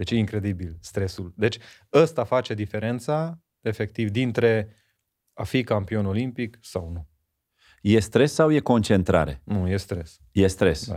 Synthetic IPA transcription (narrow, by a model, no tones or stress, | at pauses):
d̪e̞t͡ʃjeiŋkɾe̞d̪ibilst̪ɾe̞suld̪e̞t͡ʃʲ | əst̪afat͡ʃe̞d̪ife̞ɾe̞nt̪sa | e̞fe̞k̚t̪ivd̪int̪ɾe̞ | afikampio̞no̞limpiksawnu | je̞st̪ɾe̞sːawje̞ko̞nt͡ʃe̞nt̪ɾa̰ɾe̞̰nuje̞st̪ɾe̞s | jest̪ɾḛs